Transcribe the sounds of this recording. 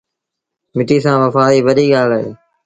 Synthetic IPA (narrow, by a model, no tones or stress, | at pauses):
mɪʈiːsãːʋəfaːiːʋəɗiːɠaːlɦḛː